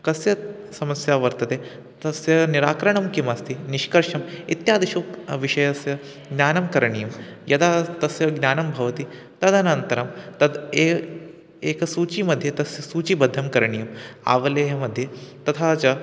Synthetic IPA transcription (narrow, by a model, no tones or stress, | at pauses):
kɐsjɐ | sɐmɐsjaʋɐɾt̪ɐt̪e | t̪ɐsjɐniɾaːkɾɐɳɐmkimɐst̪iniʃkɐɾʂɐmit̪jaːd̪iʃuːkʋiʃɐjɐsjɐ | ɡnʲjaːnɐmkɐɾɳijɐmjɐt̪at̪ɐsjɐɡnʲjaːnɐmbʱɐʋɐt̪i | t̪ɐd̪ɐnɐnt̪ɐɾɐmt̪ɐd̪e | eːkɐsuːt͡ʃimɐd̪ʱːjet̪ɐsjɐsuːt͡ʃibɐd̪ʱːɐmkɐɾɳijɐma̰ːʋɐlɐjɐmɐd̪ʱːjet̪ɐt̪ʰat͡ʃɐ